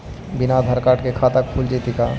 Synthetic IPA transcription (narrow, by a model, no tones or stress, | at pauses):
bɪnad̪ʱɐɾkaːʈkekʰaːt̪ak̚pʰuld͡ʒit̪ika